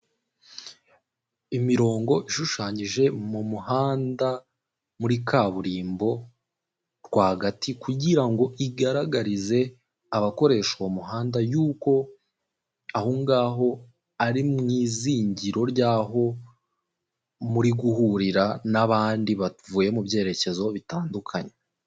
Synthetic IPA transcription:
imiɾo̞ːŋɡo̞ʔiʃuʃaːɲiʒe̞mumuhaːnda | muɾikaβuɾiːmbo̞ | ɾɡwaːɡatikuɟiɾaŋɡo̞ʔiɡaɾaɡaɾize̞ | aβako̞ɾe̞ːʃowomuɦaːndajuːko̞ | ahuŋɡaːɦo̞ | aɾimŋiːziːɲɟiɾo̞ɾjaːɦo̞ | muɾiɡuhuɾiɾanaβaːndiβavuːje̞mubɟe̞ːɾe̞ce̞zo̞βitaːndukʰaɲe

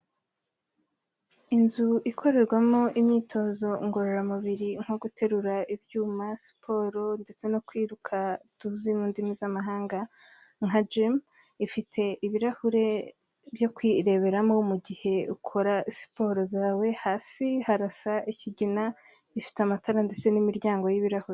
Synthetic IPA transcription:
inzuʔikʰo̞ɾe̞ɾɡwamoʔimɲiːtʰo̞zo̞ŋɡo̞ɾoɾamuβiɾiŋ̥hoɡutʰe̞ɾuɾaʔibjuːmasi̥pʰo̞ɾo̞nde̞t͡se̞nokwiːɾukʰatuzimuːndimizamaɦaːŋɡa | ŋ̥ad͡ʒim | ifitʰe̞iβiɾahuɾe̞ | bjo̞kwiɾe̞βe̞ɾamo̞muɟihe̞ukʰo̞ɾasi̥po̞ːɾo̞zaːwe̞haːsihaɾasaiciɟina | ifi̥teamatʰaɾande̞t͡se̞nimiɾjaːŋɡo̞jiβiɾahuɾe

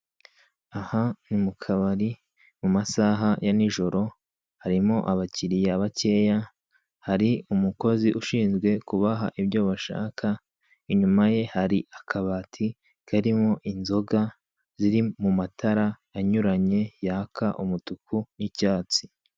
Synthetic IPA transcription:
ahanimukʰaβaɾi | mumasaːɦajaniʒo̞ɾo̞ | haɾimo̞ʔaβaciɾijeaβace̞ːja | haɾiumuko̞ziʔuʃiːnzɡwe̞kuβaɦaʔibɟo̞βaʃa̰ːkʰa | iɲumaje̞haɾiʔakʰaβatʰi | kʰaɾimo̞ʔinzo̞ɡa | ziɾimumatʰaɾaː | ɲuɾaɲe̞jakʰaʔumutukʰunicaːt͡si̥

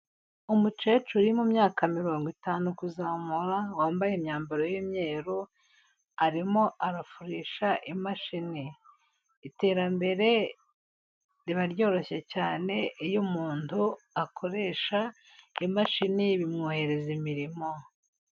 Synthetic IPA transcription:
umut͡ʃet͡ʃuɾimumɲaːkamiɾoːŋɡwitaːnukuzamuɾawaːmbajemɲaːmbaɾojimɲe̞ːɾu | aɾimo̞ʔaɾafuɾiːʃaʔimaʃiniː | te̞ːɾambe̞ɾe̞ | ɾiβaɾjo̞ːɾo̞çe̞caːne̞ʔijumuːntuakʰo̞ɾe̞ːʃa | imaʃiniβimŋuːhe̞ɾe̞zimiɾimo̞

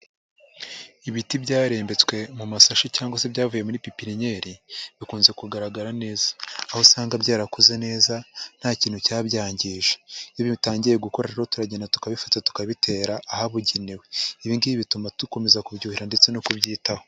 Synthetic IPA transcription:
iβitibɟaːɾe̞ːmbe̞t͡swe̞mumasaʃicaːŋɡwase̞bjaːvuje̞muɾipipiɾiɲe̞ːɾiβikuːnze̞kuɡaɾaɡaɾane̞ːzḁːhosaːŋɡabjaːɾakuze̞ne̞ːzan̥haːciːn̥hucaːbɟaːɲɟiʒejoβitaːɲɟiɾe̞ɡuko̞ɾaɾeɾotuɾaɟenatu̥kaβifatatu̥kaβitʰe̞ːɾaːhaβuɟeniwe̞iβiːndiiβitumatuko̞me̞zakubɟuːhiɾande̞t͡se̞nokuβɟiːtaho

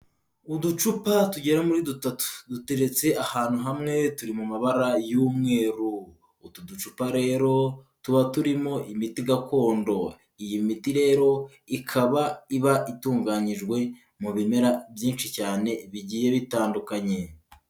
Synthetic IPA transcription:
udut͡ʃupatuɟe̞ɾamuɾidutatu̥dute̞ɾe̞t͡se̞ahaːn̥huɦamŋe̞tuɾimumaβaɾajuːmŋe̞ːɾuː | tudut͡ʃupaɾe̞ːɾo̞ | tuβatuɾimo̞ʔimitiɡakʰo̞ːndo̞ | ijimitiɾe̞ːɾo̞ | ikʰaβaiβaʔituːŋɡaɲiʒɡwe̞ | muβime̞ɾabjiːnʃicaːne̞βiɟiːje̞βitaːndukaɲe̞

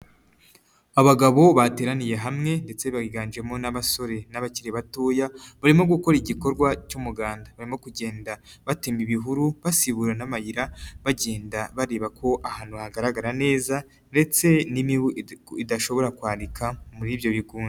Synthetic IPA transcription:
aβaɡaβo̞βate̞ːɾanije̞ɦamŋe̞nde̞t͡se̞βaɡiɡaːnd͡ʒe̞mo̞naβaso̞ɾe̞naβaciɾeβatoːjaβaɾimo̞ɡuko̞ɾiɟiko̞ɾɡwacumuɡaːndaβaɾimo̞kuɟe̞ːndaβatemiβiɦuɾuβasiβuɾanamajiɾaβaɟeːndaβaɾe̞ːβakʰo̞ʔahaːn̥huaɡaɾaɡaɾane̞ːza | nde̞t͡se̞nimiwidaʃo̞βo̞ɾakwaːɾikʰamuɾiβjo̞βiɡuːne

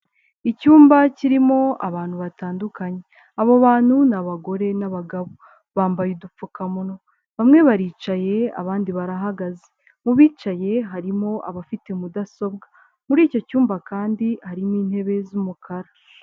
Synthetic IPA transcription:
icuːmbaciɾimo̞aβaːnhuβataːndukaɲe | aβo̞βaːn̥hunaβaɡo̞ɾe̞naβaɡaβo̞ | βaːmbajudup͡fukamuno̞ | βamŋe̞βaɾiːt͡ʃaje̞a̰βaːndiβaɾaɦaɡaze | muβiːt͡ʃaje̞ɦaɾimo̞ʔa̰βafite̞mudaso̞b̚ɡa | muɾiːco̞cuːmbakaːndihaɾimiːnhe̞βe̞zumukʰaɾa

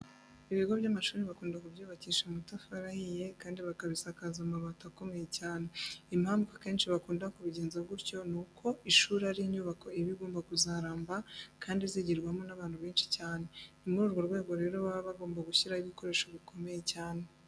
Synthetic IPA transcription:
iβiɡo̞βjamaʃuːɾiβakuːndakubjuːβaciːʃemutafaɾahije̞kaːndiβakaβisakazamaβatako̞me̞jecaːne̞imhaːmɡake̞ːnʃiβakuːndakuβiɟe̞ːnzeβɡuɾco̞nukʰo̞ʔiʃuːɾaɾiɲuβako̞iβiɡoːmbakuzaɾaːmbakʰaːndiziɟiɾɡwamo̞naβaːnhuβeːnʃi̥caːne̞imuɾuɾɡo̞ɾɡwe̞ːɡo̞ɾe̞ːɾo̞βaβaβaɡo̞ːmbaɡuçiɾaiβiko̞ɾe̞ːʃoβiko̞me̞jecaːne̞

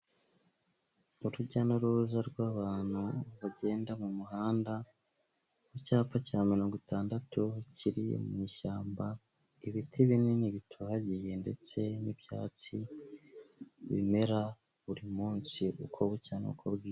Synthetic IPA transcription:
uɾuɟanoɾuuzaɾɡwaːβaːn̥huβaɟe̞ːndamumuhaːnda | wecaːp͡facamiloːŋɡotʰaːndatuciɾḭmṵmɲiːʃaːmba | iβitʰiβineniβitʰuhaɟije̞nde̞t͡se̞niβjaːt͡si | βḭme̞ɾa | βuɾimuːnsiʔṵkʰo̞βucaːnoukʰoβɡiːɾ

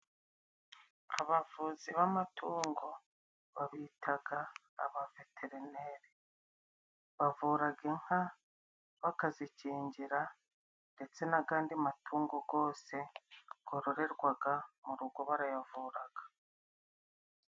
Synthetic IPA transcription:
a̰βavuːziβamatʰuːŋɡo | βaβiːtʰaɡa̰ː | βave̞tʰe̞ɾineɾe | βavuːɾaɡe̞ŋ̥ha | βakaziciːɲɟiɾa | nde̞t͡se̞naɡaːndiamatʰuːŋɡo̞ɡo̞ːse̞ɡ̥o̞ɾo̞ɾe̞ɾɡwaɡamuɾuɡo̞βaɾajavuːɾaɡ̥ḁ

